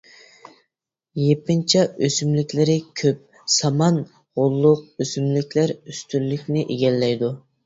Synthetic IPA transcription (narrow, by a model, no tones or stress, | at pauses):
jepɪnt͡ʃʰɛøsymlɪkʲlɪɾɪkʲʰøp̚ | sɑmɑn | ʁolˠːʊq̚øsymlɪkʲlæɾyst̪ʰylːykʲnɪʔeɡʲɛlːɛjd̪u